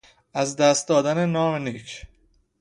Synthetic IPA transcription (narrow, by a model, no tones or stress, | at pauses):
æzd̪æst̪̚d̪ɒːd̪ænenɒːmeniːcʰ